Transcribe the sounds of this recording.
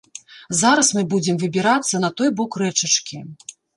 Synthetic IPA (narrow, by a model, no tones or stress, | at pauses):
zaɾɐsmɨbud͡zʲɛmvɨbʲiɾat̪sːɐnɐt̪ɔjbɔkrɛt͡ʂɐt͡ʂkʲi